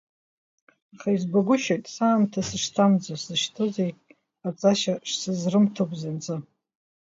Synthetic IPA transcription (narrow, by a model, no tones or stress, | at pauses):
aχaizbaɡʷʊʃajtʼsaːmtʰasɨʂtʰamd͡zaszɨʃtʰɨzejʼ | at͡sʼaʃaʂsɨzrɨmtʰokʷʼzant͡sʼɨ